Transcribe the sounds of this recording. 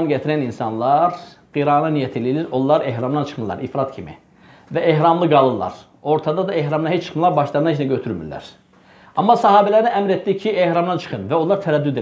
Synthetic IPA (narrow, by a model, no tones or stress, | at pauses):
nɟæt̪ʰiɾæninsɑnlˠɑɾ | ɡ̥iɾɑnɑnijæt̪ʰililiɾollːˠɑɾehɾɑmd̪ɑnt͡ʃʰɯ̥χmɯlˠɑ̰ɾifɾɑt̪cʰimḭ | væeɦɾɑmlˠɯɡɑlˠɯlˠɑ̰ɾ | o̞ɾt̪ʰɑd̪ɑd̪ɑehɾɑmd̪ɑnɦet͡ʃt͡ʃʰɯ̥χmɯlˠɑɾbɑʃlˠɑɾnɑnet͡ʃnæɟøt̪ʰyɾmy̰ɾlːæ̰ɾ̥ | ɑmːɑsɑɦɑːbælæɾniæmɾet̪d̪icʰiehɾɑmd̪ɑnt͡ʃʰɯ̥χɯnvæo̞llˠɑɾt̪ʰæɾæd̪ːyd̪e